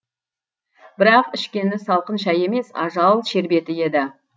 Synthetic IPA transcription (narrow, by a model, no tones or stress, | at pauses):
b̥ɪɾɑqɪʃkʲe̞nɪsɑlˠqənʃɑje̞me̞sɑ̰ʒɑlˠʃe̞ɾbe̞t̪ɪe̞d̪ɪ